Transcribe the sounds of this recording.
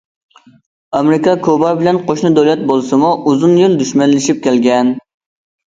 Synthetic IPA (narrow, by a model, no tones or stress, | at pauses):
ɑmɾɪkʰɑkʰobɑɾbɪlɛnqʰoʃnɨd̪olɛt̪̚bolˠsɨmuʔuzunjild̪yʃmɛnlːɪʃip̚kʲɛlɡʲɛn